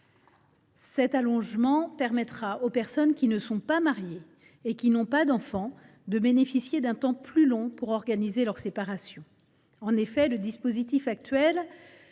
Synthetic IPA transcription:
sɛt̪alɔ̃ʒmɑ̃pɛʁmɛt̪χaopɛʁsɔnkʲinəsɔ̃pamaʁjeː | kʲinɔ̃pad̪ɑ̃fɑ̃ | d̪əbenefisjed̪ɛ̃t̪ɑ̃plylɔ̃puʁɔʁɡanizelœʁsepaʁasjɔ̃ | ɑ̃nefɛləd̪ispozit̪ifak̚t̪ɥɛl

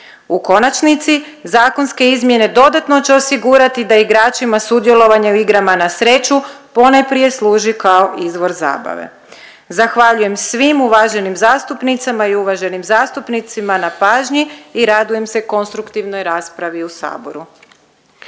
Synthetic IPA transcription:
uko̞nat͡ʃnit̪sizaːko̞nske̞izmje̞ne̞d̪o̞d̪at̪no̞t͡ɕeo̞siɡuɾat̪id̪aiɡɾaːt͡ʃimasud̪je̞lˠo̞ʋaɲauiɡɾamanasɾe̞t͡ʃupo̞najpɾije̞slˠuːʒikao̞ʔizʋo̞ɾza̰ːba̰ʋḛ | zaxʋaʎuje̞msʋimuʋaːʒe̞nimzaːst̪upnit̪samaiuʋaʒe̞nimzaːst̪upnit̪simanapaːʒɲiːɾad̪uje̞mse̞ko̞nst̪ɾukt̪iʋno̞jɾaːspɾaʋiusa̰ːbo̞̰ɾu

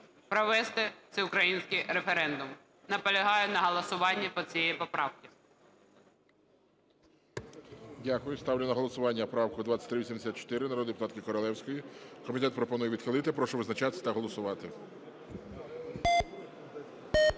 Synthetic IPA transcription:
pɾɔʋɛst̪ɛt̪sɛʊkɾɐjinʲsʲkɪjɾefeɾɛnd̪ʊm | nɐpɔlʲɐɦɑjʊnɐɦɔlˠɐsʊʋɑnʲːɐpɔt͡sʲijɛjpɔpɾɑwkʲɪ | dʲakʊjʊst̪ɑwlʲɪnɐɦɔlˠɔsʊʋɑnʲːɐpɾɑwkʊd̪ʋatt͡sʲːɐ̥t̪ʲɾɪʋʲisʲimd̪esʲat̪t͡ʃɔ̥t̪ɪɾɪnɐɾɔd̪ɪpʊt̪ɑt̪kɪkɔɾɔlˠɛwsʲkɔjikɔmʲit̪ɛt̪pɾɔpɔnujɛʋʲid̪̥xɪlˠɪt̪ɪpɾɔʃɛʋɪznɐt͡ʃat̪ɪsʲɐt̪ɐɦɔlˠɔsʊʋɑt̪ɪ

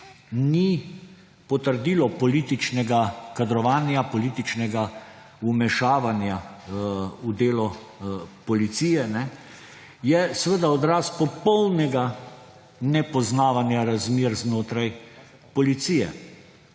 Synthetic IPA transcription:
ni | pɔt̪əɾd̪iːlɔpɔliːt̪it͡ʃnɛɡakad̪ɾɔʋaːnjapɔliːt̪it͡ʃnɛɡa | umɛʃaːʋanja | ud̪eːlɔ | pɔlit̪sijɛnɛ | jɛsʋəd̪aɔd̪ɾaːspɔpɔwnɛɡa | nɛpɔznaːʋanjaɾazmeːɾznoːt̪ɾaj | pɔlit̪sijɛ

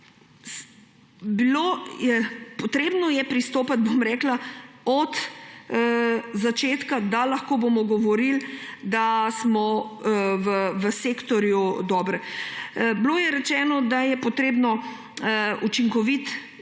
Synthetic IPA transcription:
bilojɛpɔt̪ɾeːbnɔjɛpɾist̪oːpat̪̚bomɾɛːklaɔt̪ | zat͡ʃeːt̪kad̪alaxkoːbomɔɡɔʋɔɾild̪asmɔ | ʋəʋəseːkt̪ɔɾjud̪ɔːbɾ | bloːjɛɾɛt͡ʃɛːnɔd̪ajɛpɔt̪ɾeːbnɔ | ut͡ʃiŋkɔʋit̪

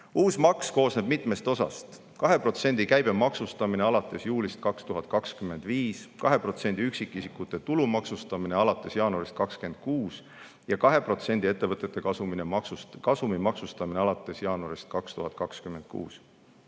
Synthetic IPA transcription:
uːsmɑksko̞ːsneb̥̚mit̪ˑme̞st̪o̞sɑ̰st̪ | kɑɦe̞pro̞t̪se̞nʲd̪̥ikæjb̥e̞mɑksust̪ɑmine̞ɑlɑt̪ːˑe̞sjuːlʲist̪̚kɑkst̪uɦɑt̪̚ˑkɑkskymːe̞nd̪̥viːskɑɦe̞pro̞t̪se̞nʲd̪̥iyksikˑːisikːˑut̪ːˑe̞t̪ulumɑksust̪ɑmine̞ɑlɑt̪ːˑe̞sjɑːnuɑɾist̪̚kɑkske̞nd̪̥̚kuːs | jɑkɑɦe̞pro̞t̪se̞nʲd̪̥ʲie̞t̪ːe̞vɤt̪ːˑe̞t̪ːˑekɑsuminemɑksukɑsumimɑksust̪ɑmineɑlɑt̪ːˑe̞sjɑːnuɑɾist̪̚kɑkst̪uɦɑt̪̚ˑkɑkskymːend̪̥̚kṵːs

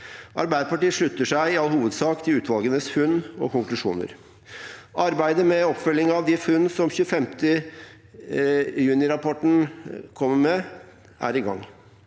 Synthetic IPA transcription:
ʔɑɾbæɪd̪əpɑʈiːəʂɭʉt̪ːəʂæɪɪɑlːhuːʋəd̪sɑːkt̪ʰɪlʉːt̪ʰʋɑlˠɡənəsfʉnːɔ̰kʊŋklʉʂṵːnə̰ɾ | ɑɾbæɪd̪əmɛɔpfœlːɪŋɑʋd̪ɪfʉnːsɔmçʉːəfɛmt̪ə | jʉːnɪɾɑpʰɔʈn̩kʰɔmːəmɛ | ʔæ̰ɾɪɡɑ̰ŋː

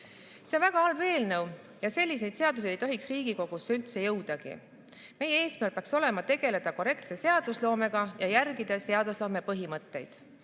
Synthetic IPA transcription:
seonvæɡ̥ɑɑlve̞ːlnɤw | jɑse̞lʲːis̬e̞jd̪̥se̞ɑd̪us̬e̞d̪ejt̪o̞ɦiksriːɡ̥iko̞ɡ̥usːeylt̪se̞jɤwd̪̥ɑɡ̥ḭ | me̞jeeːsmæɾrkpːeɑkso̞le̞mɑt̪e̞ɡ̥e̞le̞d̪̥ɑko̞ɾe̞kt̪se̞se̞ɑd̪uslo̞ːme̞ɡ̥ɑjɑjærɡid̪ɑse̞ɑd̪̥uslo̞ːme̞pɤɦimɤt̪ːe̞̰jd̪̥

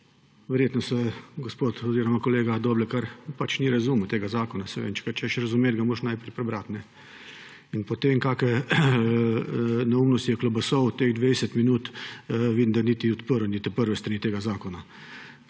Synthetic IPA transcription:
ʋɛɾjeːt̪nɔsɛɡospot̪ɔziɾɔmakɔleːɡad̪oblɛkaɾpat͡ʃniɾazuːmɔt̪eːɡazaːkɔnasɛʋḛːnt͡ʃɛ̥kat͡ʃɛʃɾɐzʊmeːd̪ɡamoːɾʃnajpɾɛjpɾɛbɾat̪nɛ | inpɔt̪eŋkakɛ | naumnɔst̪ijɛklɔbɐsɔwt̪eɣd̪ʋejsɛt̪minuːt̪ʋid̪nd̪anit̪iɔt̪pəɾɔnit̪ipəɾʋɛst̪ɾanit̪eːɡazaːkɔna

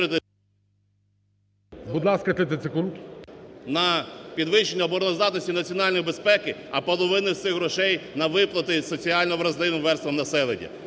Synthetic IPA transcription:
ɾɪt̪ɪ | bud̪lˠɑskɐt̪ɪt̪̬ɪsekunk | nɐpʲid̪ʋɪʃenʲːɐbɔɾɔnɔzd̪ɑt̪nɔsʲtʲinɐt͡sʲiɔnɑlʲnɔjibespɛkɪɐpɔlˠɔʋɪnɪwsɪxɾɔʃɛjnɐʋɪplˠɐt̪ɪsɔt͡sʲiɑlʲnɔʋɾɐzlˠɪʋɪmʋɛrst̪ɔmnɐsɛlˠḛnʲːɐ̰

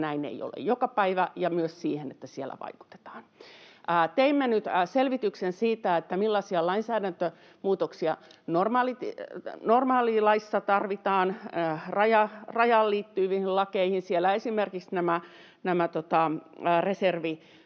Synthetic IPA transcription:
næinḛijo̰lḛjjokɑpæiʋæjɑmyøssiːhenet̪ːæsielːæ̰ʋɑ̰iku̥t̪e̥t̪ɑ̥ːnʔːt̪eimːenyt̪ːselʋit̪yksensiːt̪æet̪ːæmilːɑsiɑlɑinsæːdænt̪ø | muːt̪oksiɑnormɑlit̪normɑːlilɑisːɑt̪ɑrʋit̪ɑːnrɑjɑrɑjɑlliːt̪ːyːʋihillɑkeihinsielæesimerkiksnæmæ | næmæt̪ot̪ɑreserʋi

